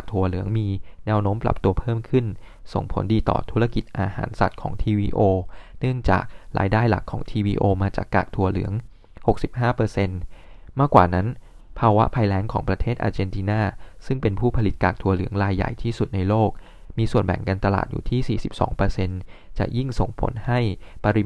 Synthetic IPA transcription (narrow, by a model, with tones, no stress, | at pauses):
a˨k̚t̪ʰu˧ɐlɯ˩˦əŋmiː˧nɛː˦˥wnoː˦˥mpɾa̰˨˩p̚t̪u˧ɐpʰɤː˥˩mkʰɯ˥˩nso˨˩ŋpʰo̰˩˦ndiː˧t̪ɔ̰ː˨˩t̪ʰu˦˥ɾa˧ki˨˩t̪̚ʔaː˧ha̰ː˩˦nsa̰˨˩t̪̚kʰɔ̰ː˩˦ŋt̪ʰiː˧wiː˧ʔoː˧nɯ˥˩əŋt͡ɕa̰ː˨˩k̚ɾa̰ː˧jdaː˥˩jla̰˨˩kʰːɔ̰ː˩˦ŋt̪ʰiː˧wiː˧ʔoː˧maː˧t͡ɕa̰ː˨˩kːa̰ː˨˩k̚t̪ʰu˧ɐlɯ̰˩˦əŋ | ho˨˩k̚si˨˩p̚ɦaː˥˩pɤː˧se˧nmaː˥˩kwaː˨˩na˦˥n | pʰaː˧wa˦˥pʰaː˧jlɛː˦˥ŋkʰɔː˩˦ŋpɾa˧t̪ʰeː˥˩t̪ʔaː˧t͡ɕe˧nt̪ʰiː˧naː˥˩sɯ˥˩ŋpe˧npʰuː˥˩pʰa˧li˨˩t̪̚ka̰ː˨˩k̚t̪ʰu˧ɐlɯ˩˦əŋɾaː˧jːa̰˨˩jt̪ʰiː˥˩su˨˩t̪̚na˧jloː˥˩k̚ | miː˧su˨˩ənbɛ̰˨˩ŋkaː˧nt̪a˧la̰ː˨˩t̪̚jṵː˨˩t̪ʰiː˥˩siː˨˩si˨˩p̚sɔ̰ː˩˦ŋpɤː˧se˧nt͡ɕa̰˨˩ʔji˥˩ŋso˨˩ŋpʰo̰˩˦nha˥˩jpa˧ɾi˦˧